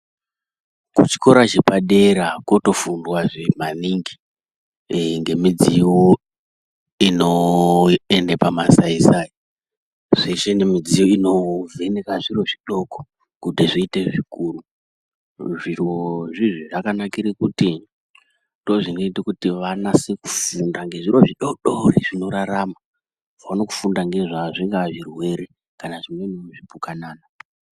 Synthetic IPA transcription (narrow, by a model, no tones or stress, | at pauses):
kut͡ʃi̥ko̞ɾat͡ʃe̞paɗe̞ɾakoto̞fundwaʐemaniŋɡi | ŋɡe̞mid͡ziwo | ino | endepamasaisai | ʐeʃenemid͡zijoinove̞nekaʐiroʐiɗo̞ko̥ | kudʱeʐiiteʐikuːru | ʐirwoʐiʐiʐakanakiɾekuti | do̞ʐinoitikutiʋanaseku̥fundaŋɡe̞ʐiɾo̞ʐiɗoɗoriʐ̥ino̞ɾaɾama | vaunoku̥fundaŋɡe̞ʐaʐiŋɡaʐirwe̞ɾe | kanaʐimweinoʐipukanaːna